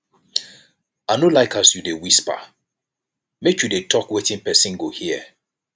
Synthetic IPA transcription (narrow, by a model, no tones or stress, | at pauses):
anolaɪkʰasjudewispa̰ | mekʰjudetʰɔkwetɪ̃ŋpɛsĩnɡohiə